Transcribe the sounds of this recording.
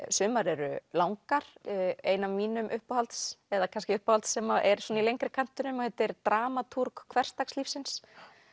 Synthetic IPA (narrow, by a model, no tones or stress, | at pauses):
sʏːmaɾɛɾʏ̰lawŋkaɾ̥eːjnavmiːnʏmʔʏhpahalt̪sɛðakʰanscɪʏhpahalt̪sːɛmaʔɛɾ̥sɔnailejŋkɾɪkʰan̥t̪ʏnʏmɔhɛt̪ɛɾt̪ɾaːmat̪ʰuɾkkʰvɛr̥st̪akslifsɪns